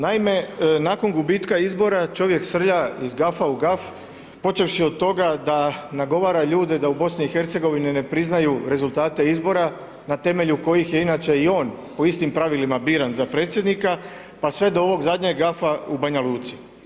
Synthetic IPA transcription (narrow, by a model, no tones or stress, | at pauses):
naime̞naːko̞nɡubiːt̪kaizbo̞ɾat͡ʃo̞ʋje̞ksr̩ʎaizɡafauɡaf | po̞t͡ʃe̞ʋʃiod̪̚t̪o̞ɡad̪anaɡo̞ʋaːɾaʎuːd̪ed̪aubo̞sniixe̞ɾt̪se̞ɡo̞ʋinine̞pɾiznajuɾe̞zulˠt̪aːt̪e̞izbo̞ɾa | nat̪e̞me̞ʎuko̞jixje̞inat͡ʃe̞io̞ːnpo̞ist̪impɾaʋilimabiːɾanzapɾet̪sje̞d̪nika | pasʋe̞d̪o̞oʋo̞ɡzad̪ɲeɡɡafaubaɲaluːt̪si̥